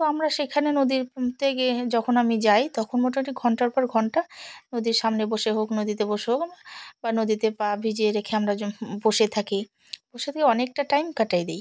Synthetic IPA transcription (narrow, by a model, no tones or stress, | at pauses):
t̪oamɾaʃekʰanenod̪iɾt̪eked͡ʑɔkʰonamid͡ʑajt̪ɔkʰonmoʈoʈiɡʱɔɳʈaɾpɔɾɡʱɔɳʈanod̪iɾʃamneboʃeɦoknod̪it̪eboʃeɦokamabanod̪it̪epabʱid͡ʑeɾekʰeamɾaboʃet̪ʰake | boʃet̪ʰakeɔnek̚ʈaʈajmkaʈajd̪ej